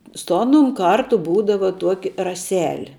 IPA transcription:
sʊ ˈɑːnʊm ˈkɐrtʊ ˈbuːdɐʋɐ ˈtuɔkʲɪ rɐˈsʲæːlʲɪ

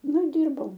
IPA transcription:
ˈnʊ ɪ ˈdʲiːrbɐʊ

